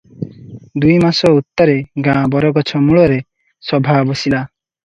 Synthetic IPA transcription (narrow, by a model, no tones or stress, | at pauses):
d̪ujmasɔut̪ːɔɾeɡãbɔɾɔɡɔt͡ʃʰɔmuɭɔɾe | sɔbʱabosila